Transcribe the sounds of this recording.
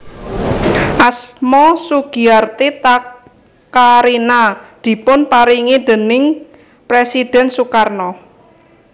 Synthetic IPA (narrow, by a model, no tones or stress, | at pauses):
ʔasmɔsuɡ̥iart̪et̪a | kaɾinad̪̥i̤pʊnpaɾiŋid̪̥ə̤nɪŋ | pɾesid̥ɛ̤nsukarnɔ